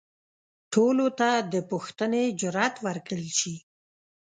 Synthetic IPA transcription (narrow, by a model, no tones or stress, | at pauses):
ʈʰolot̪ad̪əpuxt̪əned͡ʒʊɾɑt̪wəɾkəlʃi